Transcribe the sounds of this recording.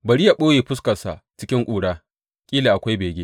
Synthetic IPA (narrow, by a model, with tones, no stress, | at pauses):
bɐ˨ɽi˦ja˨ɓoː˦jeː˨ɸʊ˦skɐ˨nsa˨t͡ʃɪ˦kʲɪ˦ŋkʷʼuː˨ɽaː˦ | kʲʼiː˦le˨ʔa˨kʷa˦jbeː˨ɡʲeː˦